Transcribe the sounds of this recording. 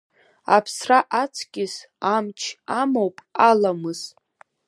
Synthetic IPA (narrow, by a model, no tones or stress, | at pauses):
apʰsraʔat͡sʰɡʲɪz | amt͡ʃʰamowpʼalamɨz̥